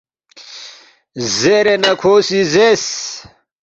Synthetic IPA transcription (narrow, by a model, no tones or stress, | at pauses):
zeɾenɐkʰoːsizes